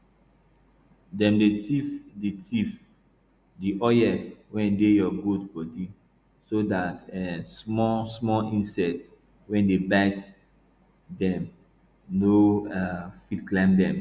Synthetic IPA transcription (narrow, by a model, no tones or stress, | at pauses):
dɛ̃mdetifditʰif | diʔɔjɛwɛ̃ndejɔɡodbɔdi | sodatɛsmɔsmɔlĩnsɛt | wɛ̃ndebat | dɛ̃m | noafitklãmdɛ̃m